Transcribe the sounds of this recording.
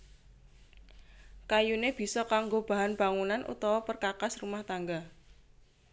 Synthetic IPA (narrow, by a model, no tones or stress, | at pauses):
kajuneb̥i̤sɔkaŋɡob̥a̤ɦanb̥a̤ŋunanʔṵt̪ɔwɔpərkakasrumaht̪aŋɡa